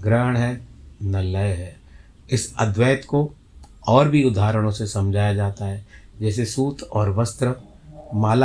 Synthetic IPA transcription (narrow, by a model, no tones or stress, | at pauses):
ɡɾəːɽ̃ɦɛːnɐləjɦɛː | ɪsɐ̰d̪ʋɛːt̪ko | ɔːɾbʱiʊd̪ʱaːɾəɽ̃õsesɐ̃md͡ʒʱaːjad͡ʒaːt̪aɦɛːd͡ʒɛːsesuːt̪ʰɔːɾʋɐst̪ɾə | maːl